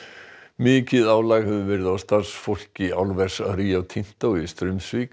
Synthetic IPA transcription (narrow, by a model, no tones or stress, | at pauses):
mɪːcɪðaːwlaɣhɛvʏvɛɾɪðawst̪aɾsfowl̥cɪawlvɛɾ̥saðɾiːawt̪ʰin̥t̪owɪst̪ɾʏmsvik